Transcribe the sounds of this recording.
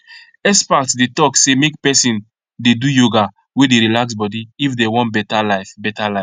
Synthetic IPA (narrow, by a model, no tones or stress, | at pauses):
ɛspaktdetɔksemek̚pɛsĩn | dedujoɡa | wedeɾilaksbɔdiifdewɔ̃ntbɛtalaɪfbɛtalaɪ